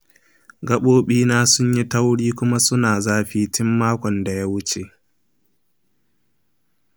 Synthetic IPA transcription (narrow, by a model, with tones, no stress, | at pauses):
ɡɐ˦ɓoː˦ɓiː˦naː˦sʊ˦ɲji˦ta˦wɽiː˦kʷʊ˦ma˦sʊ˦naː˨zaː˦ɸiː˦tɪ˦mːaː˦kʷɔ˨nda˨ja˦wʊ˦t͡ʃe˨ʔ